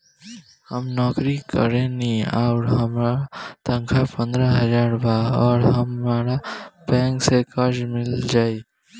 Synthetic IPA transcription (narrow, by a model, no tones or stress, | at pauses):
həmnɔkɾikə̰ɾenia̰ʊɾɦəmɾat̪ə̃ŋkʰapə̃nd̪ɾəɦəd͡ʒaɾbaɔːɾɦəmːaɾabɛ̃ŋksekəɾd͡ʒmild͡ʒai